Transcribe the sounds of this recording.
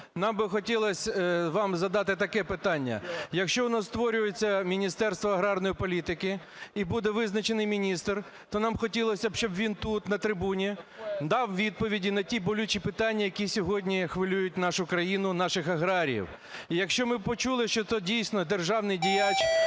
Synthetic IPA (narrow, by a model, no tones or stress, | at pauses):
nɑmbɪxɔtʲilˠɐsʲʋɑmzɐd̪ɑt̪ɪt̪ɐkɛpɪt̪ɑnʲːɐ̰jɐkʃt͡ʃɔɔnɔst̪ʋɔɾʲʊjet͡sʲːɐmʲinʲist̪ɛrst̪ʋɔɐɦɾɑrnɔjipɔlʲit̪ɪkɪ | ibud̪ɛʋɪznɐt͡ʃenɪjmʲinʲist̪r | t̪ɔnɑmxɔtʲilˠɔsʲɐbʃt͡ʃɔbʋʲint̪ut̪nɐt̪ɾɪbunʲid̪ɑwʋʲid̪̚pɔʋʲidʲinɐtʲibɔlʲut͡ʃipɪt̪ɑnʲːɐjɐkʲisʲɔɦɔdʲnʲixʋɪlʲujʊt̚ʲnɑʃʊkɾɐjinʊnɑʃɪxɐɦɾɑɾʲḭw | ijɐkʃt͡ʃɔmɪpɔt͡ʃulˠɪʃt͡ʃɔt̪ɔdʲijsʲnɔd̪erʒɑwnɪjdʲijat͡ʃ